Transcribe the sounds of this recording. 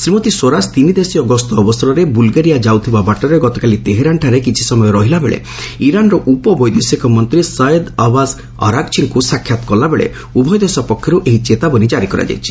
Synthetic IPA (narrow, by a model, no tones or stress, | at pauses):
sɾimɔt̪iswoɾast̪inid̪esiɔɡɔst̪ɔːbɔsɔɾɔɾebulɡaɾijad͡ʒawt̪ʰibabaʈɔɾeɡɔt̪ɔkalit̪eɦeɾaɳʈʰaɾekit͡ʃʰi̥sɔmɔjɔɾɔɦilabeɭḛ | iɾanɾɔʔupɔbɔjd̪esikɔmɔnt̪ɾisajed̪abaz | ɔ̰ɾaɡt͡ʃʰiŋkusakʰːjat̪ɔ̥kɔlabeɭḛ | ubʱɔjɔd̪esɔpɔkʰːjɔɾuʔeɦit͡ʃet̪abɔnid͡ʒaɾikɔɾa̰d͡ʒa̰jt͡ʃʰi̥